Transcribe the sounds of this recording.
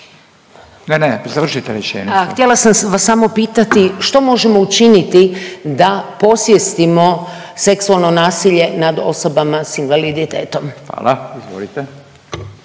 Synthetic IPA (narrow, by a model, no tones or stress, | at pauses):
nezaʋr̩ʃit̪eɾet͡ʃeːɲxt̪jelasamʋasːamo̞piːt̪at̪iʃt̪o̞mo̞ʒemo̞ut͡ʃinit̪id̪apo̞sʋjest̪imo̞ | se̞ksualˠno̞naːsiʎe̞nad̪o̞so̞bamasinʋalid̪it̪eːt̪o̞mʋa̰ːlaizʋo̰lit̪e